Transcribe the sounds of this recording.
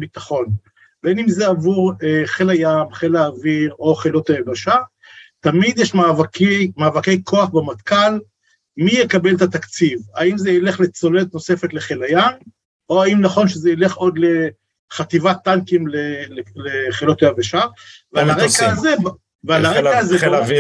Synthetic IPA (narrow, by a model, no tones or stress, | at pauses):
bit̪aχo̞n | benimzeavuʁeχelajamχelaːviʁo̞χelo̞t̪ajavaʃa | t̪amid̪jeʃmavakimaːvake̞jkʰo̞aχbemat̪kal | mijekabe̞lt̪at̪akt͡sivaimzeileχlet͡so̞let̪no̞se̞fe̞t̪leχelajan | oaimnaχo̞nʃezeile̞χo̞d̪le | χat̪ivat̪ːaŋkimleleleχelot̪ajavaʃavealaʁekaːze | vealaʁeaazev